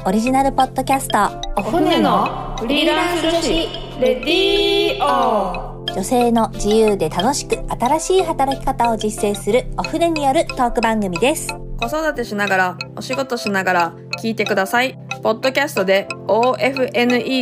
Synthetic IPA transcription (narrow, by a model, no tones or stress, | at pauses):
o̞ɾʲiʑinaɾɯ̟po̞d̪̥ːo̞kʲasɨ̥t̪o̞ | noɾɾiɾaoi | ɾe | o | d͡ʑo̞se̞ːno̞d͡ʑijɯ̟ːd̪e̞t̪ano̞ɕi̥kɯ̟at̪aɾaɕiːɦat̪aɾakʲi̥kat̪ao̞d͡ʑisːe̞ːsɨɾɯ̟o̞ɸɯ̟ne̞ɲ̟ijo̞ɾɯ̟t̪o̞ːkɯ̟bãŋɡɯ̟mʲid̪e̞sɨ̥ɡ̥o̞so̞d̪at̪e̞ɕinaɡaɾao̞ɕiɡo̞t̪o̞ɕinaɡaɾa | kʲiːt̪e̞kɯ̟d̪asai | po̞d̪ːo̞kʲasɨ̥t̪o̞d̪e̞oːʔe̞ɸɯ̟ʔe̞nɯ̟ʔi